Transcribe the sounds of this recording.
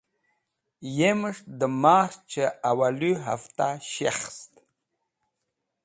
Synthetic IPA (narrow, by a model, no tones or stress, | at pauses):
jeməʂd̪əmast͡ʃeawaluɦa̰ft̪aɕeχst̪